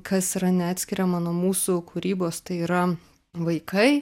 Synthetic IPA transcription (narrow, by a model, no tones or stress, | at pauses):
kʰɐsiːɾɐnʲɛɑːt̪ʲsʲkʲiɾʲɛmɐnoːɔmuːsʊkuːɾʲiːboːst̪ɐɪiːɾɐ | ʋɐɪkɐɪ